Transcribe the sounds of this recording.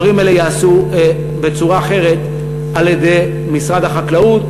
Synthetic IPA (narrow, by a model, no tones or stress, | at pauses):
ʁimelejaːsu | be̞t͡suʁaːχe̞ʁe̞t̪ | aljed̪e̞j | misʁad̪aχaklaut̪